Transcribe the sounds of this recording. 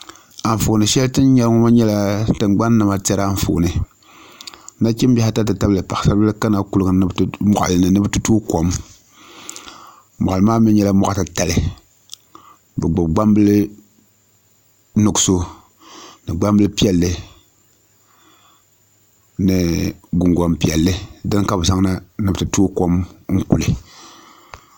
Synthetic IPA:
a˨ɱ˨fo˨nɨ˨ʃɛ˦ltɨ˦n˦ɲɛ˦lŋɔ˦ma˦ɲɛ˦la˦tɨ˨ŋɡ͡ba˦nːɨ˨ma˨tɛ˦ɾa˦a˦ɱ˨fo̰˨nɨ˨˦ | na˦ki˦m˦bʲɛ˦ha˦ta˦tɨ˨ta˦bɨ˦lɨ˨pa˨sa˦bɨ˦lɨ˦ka˦na˨ku˦lɡɨ˨nɨ˦mɔ˨ʔa̰˨lɨ˨nɨ˨nɨ˦bɨ˦tu˦tu˦ko˨m | mɔ˨ʔa˨lɨ˨˦maː˦mi˦ɲɛ˦la˦mɔ˨ʔa˨tɨ˨ta˨lɨ˦ | bɛ˨ɡ͡bʊ˨bɡ͡ba˦mbɨ˦lɨ˦ | no˨ɡso˦ | nɨ˨ɡ͡ba˦mbɨ˦lɨ˦pi˦ɛ˨lːɨ˦ | nɨ˨ɡu˨ŋɡʷa˨mpi˨ɛ˨lːɨ˦dɨ˦n˦ka˦bsa˦ŋna˦nɨ˨btɨ˨tuː˦ko˦mŋ̩˦ku˨lɨ˨

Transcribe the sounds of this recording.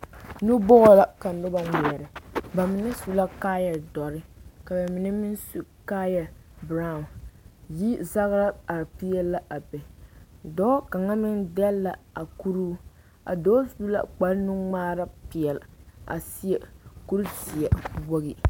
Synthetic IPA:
nu˦bɔ˦ɣɔ˦la˨ka˨n˨dʊ˦ba˦ŋɛ˨ɛ˨ɾɪ˨ba˨mɪ˨nɪ˦su˨la˦kaː˦ja˨dɔ˨ɾɪ˦ka˨ba˨mɪ˨nɪ˦mɪ˦nsu˨ka˦ja˨bɾa˦ʊ˨nji˦za˦ɣɾa˦a˨pi˦jɛː˦a˦ʔa˨pɛ˨dɔ˦ka˨ŋa˦mɪ˦ndɛ˦lːa˨a˨ku˦ɾuː˦ | a̰˨dɔː˦su˦la̰˦k͡pa˦ɾnu˦ŋ͡maː˦ɾa˦pi˨ɛ˨la̰˨si˦jɛ˨ku˦ɾti˨ɛ˨bo˦ɣi˦

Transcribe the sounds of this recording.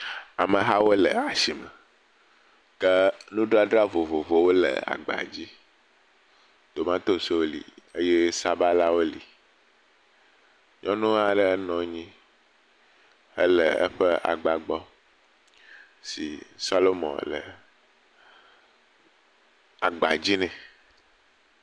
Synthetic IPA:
a˨mə̃˨ɦa˦wo˦lə˨a˨si˨mɛ˨ | kɛ˦nũ˦ɖo˦a˦ɖɾa˦vo˨vo˨vo˨wo˦lə̰˨a̰˨ɡ͡ba̰˨d͡ʑi˦ | d̪̥o˨mã˦t̪o˦so˦wo˦lḭ˨e˦je˦sa˦ba˦la˦wo˦lḭ˨ | ɲɔ̃˦nũ˦a˨ɖɛ˦ɛ˦nɔ̃˨ɲĩ˦ | ɛ̰˦lɛ̰˨ɛ̰˦ɸɛ˦a̰˨ɡ͡ba˨ɡ͡bɔ˦ | sḭ˨sa˦lo˦mɔ̰̃˨lɛ̰˨ | a˨ɡ͡ba˨d͡ʑi˦nɛ̃˨

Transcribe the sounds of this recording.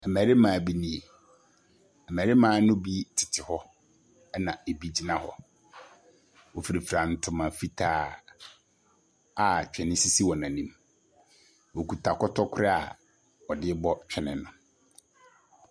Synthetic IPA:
ɛ˨mæ˨ɾɪ˦mãː˨bi˦nĩ˨e˨ | ɛ˨m˨æ˨ɾɪ˦mãː˨˦nʊ̃˦bi˦tʰɪ̥˨tʰɪ˨hɔ˦ | nã˨e˨bi˦d͡ʑi˦nã˦˨hɔ̰˦ | wɔ˨fi˨ɾi˨fɾã˨n̩˨tʰʊ̃˨mã˨fi˦tʰaː˦ | a˨t͡ɕᶣʰɛ˨nɪ̃˦si˦si˦wɔ˨nã˨nĩ˦m | wɔ˨kʰu˨tʰa˨kʰɔ˦tʰɔ˦kʰʊ˦ɾɪ˦a̰˨ | ɔ˨dɪ˦bɔ˦t͡ɕᶣɛ˨nɪ̰̃˨nʊ̃˨

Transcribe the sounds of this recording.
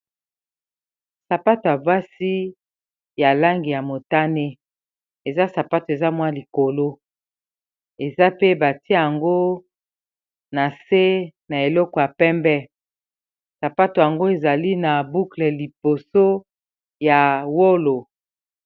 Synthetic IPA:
sa˨pa˦to˨ja˨ba˦si˦ | ja˨la˦ŋɡi˨ja˨mo˨ta˦ne˦ | e˨za˦sa˨pa˦to˨e˨za˦mwa˦li˨ko˨lo˦ | e˨za˦pe˦ba˨ti˦a˦˨ja˨ŋɡo˦ | na˨se˦na˨e˨lɔ˦kɔ˨ja˨pɛ˦mbɛ˦ | sa˨pa˦to˨ja˨ŋɡo˦e˨za˨li˦na˨bu˦klɛ˨li˨b̥o˨so˦ | ja˨wo˦lo˨

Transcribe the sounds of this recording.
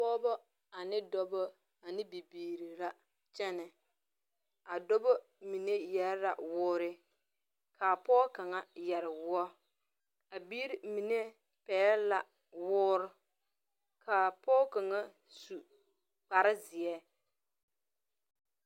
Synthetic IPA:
pɔː˦bɔ˦ | a˨nɪ˦dɔ˦bɔ˦ | a˨nɪ˦bi˨biː˨ɾi˨la˦ | t͡ʃɛ˦nɪ˨ | a˨dɔ˦bɔ˦ | mi˨ne˦jɛ˦ɾɾa̰˨wʊː˦ɾɪ˦ | ka˨pɔː˦ka˨ŋa˦jɛ˨ɾɪ˨wʊ˦ɔ˦ | a˨biː˦ɾi˨mi˨ne˦ | pɛː˨˦la˨ | wʊː˦ɾʊ˦ | kʰa˨pɔː˦ka˨ŋa˦ | su˨ | k͡pa˨ɾɪ˦zɪ˨ɛ˦

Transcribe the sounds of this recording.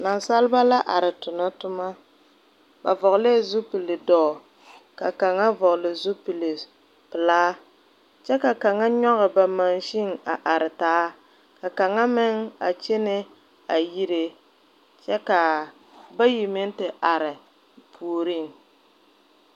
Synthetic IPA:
na˨nsa˦lba˦la˦ʔa˨ɾɪ˨tʊ˨nɔ˦tʊ˦ma˦ | ba˨vɔ˨ɣle˦˨zu˦pi˨le˨dɔː˦˨ | ka˨ka˨ŋa˦vɔ˨klɪ˨zu˦pi˨le˨ | pɪ˨laː˦ | t͡ʃɛ˦ka˨ka˨ŋa˦ɲɔ˦ɣɨ˨ba˨ma˨nʃi˦ŋa˨ʔa˨ɾɪ˨taː˦ | ka˨ka˨ŋa˦mɪ˦ŋa̰˨t͡ʃe˦ne˦ | a˨ji˦ɾe˦ | t͡ʃɛ˦ka˨ | ba˦ji˨mɪ˦n˦tɪ˨ʔa˨ɾɪ˨ | pʰuː˨ɾi˦˨ŋ

